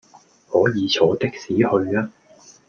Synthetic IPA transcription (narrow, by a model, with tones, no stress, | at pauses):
hɔː˨˥jiː˨˧t͡sʰɔː˨˥t̪ɪ˥k̚siː˨˥hɵ˧ɥaː˥